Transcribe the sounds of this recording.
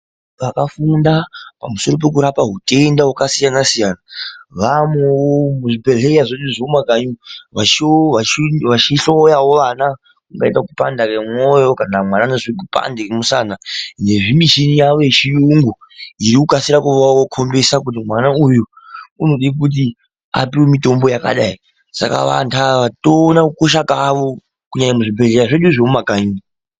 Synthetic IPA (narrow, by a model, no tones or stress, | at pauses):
ʋakafundapamuso̞ɾo̞p̬e̞k̬uɾapaɦute̞ndawakasijanasijanaʋamwewomuʐiperɦeaʐoiʐomaɡaɲuʋat͡ʃoaʋat͡ʃiɬo̞jawo̞ʋana | kuŋɡaitakupa̰ndakemwojokanamwananeʐiikupa̰ndekemusanane̞ʐimiʃinijaʋojeʃijuŋɡu | iɾikukasiɾakuʋaokʰo̞mbe̞sak̬ut̬imwanauju | uno̞ɗikut̬i | a̰piwemito̞mbo̞jaka̰ɗai | sa̰ka̰ʋa̰ntʰaʋatoːnakukoʃ̬akaʋo̞ | kuɲaɲamuʐibʱe̞ɮe̞ɾaʐeɗuʐiumakaɲu